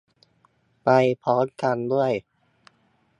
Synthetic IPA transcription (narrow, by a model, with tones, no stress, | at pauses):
pa˧jpʰɔː˨˦˥nka˧ndu˥˩əj